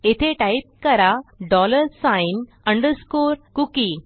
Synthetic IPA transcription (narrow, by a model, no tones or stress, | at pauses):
et̪ʰeʈaip̚kəɾaɖɔləɾsãjn | ə̃ɳɖəɾskoɾkuki